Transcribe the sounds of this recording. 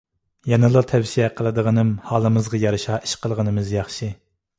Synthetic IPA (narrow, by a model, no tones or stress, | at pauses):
jɑnɨlˠɨt̪ʰɛwsiɛqʰəlˠɨd̪əʁənɨmhɑːlˠɨmɨzʁɑjɑɾɨʃɑːʔi̥ʃqəlˠʁənɨmɨzjɑχʃi